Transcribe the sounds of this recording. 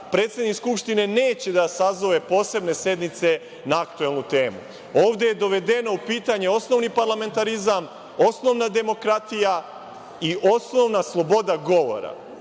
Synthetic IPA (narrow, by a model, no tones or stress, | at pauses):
pɾe̞ːt̪sjed̪nikskupʃt̪ine̞ne̞ːt͡ɕe̞d̪asazoʋe̞po̞ːse̞bne̞sje̞d̪nit̪se̞ | naakt̪ue̞lˠnut̪e̞ːmu | o̞ːʋd̪ejed̪o̞ʋe̞d̪e̞no̞upiːt̪aɲe̞o̞sno̞ʋnipaɾlame̞nt̪aɾizam | o̞sno̞ʋnad̪e̞mo̞kɾat̪ija | iʔo̞sno̞ʋnaslˠo̞bo̞d̪aɡo̞ʋo̞̰ɾa̰